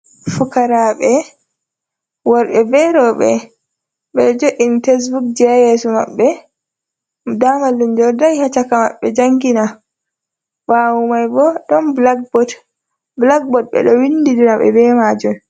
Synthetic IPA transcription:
fukaɾaɓɛ | waɾɓɛbɛɾɔɓɛ | ɓɛd͡ʒoʔintes̬buk̚d͡ʒɛajɛsuma̰ɓːɛ | damalːund͡ʒɔɾdajhat͡ʃakama̰ɓːɛd͡ʒaŋɡina | wawumajbɔɗɔnblaɡ̚bɔd | blaɡ̚bɔt̚ɓɛ̰ɗɔwinːdiɾiɾaɓɛ̰bɛmad͡ʒɔn

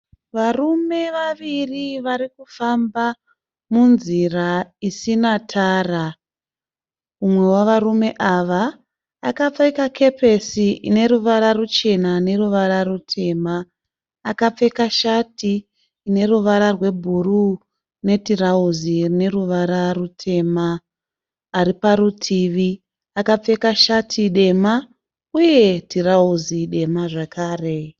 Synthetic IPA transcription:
ʋarume̞ʋaʋiriʋaɾikufamba | munziraisinatʰaːra | umwe̞waʋarume̞ʔaʋaː | kap͡fekakʰe̞pʰe̞siine̞ɾuʋaɾarut͡ʃe̞nane̞ruʋaɾaɾutʰe̞ːmaː | kap͡fe̞kaʃatiː | ne̞ruʋaɾarwe̞bʱuru | ne̞tirauzirine̞ruʋaɾarutʰe̞ːmaː | ɾipaɾutʰiʋi | akap͡fe̞kaʃatʰiɗe̞ma | uje̞tirauziɗe̞maʐakʰaːre̞

